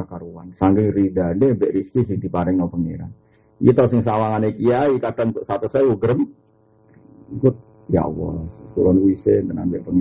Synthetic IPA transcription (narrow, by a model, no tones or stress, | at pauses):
akaɾuwa̰nsaŋɡɪŋridandebɛʔɾiskis̬idipaɾɛŋnɔpəŋḛɾa̰n | jet̪ɔsɪŋs̬awaŋanekiaikadaŋt̪ʔsat̪usawuɡəɾəm | ɡʊt̪̚ | ja̰ʔwɔ̰sk̪uɾɔnwisendəna̰mbɛʔpəŋ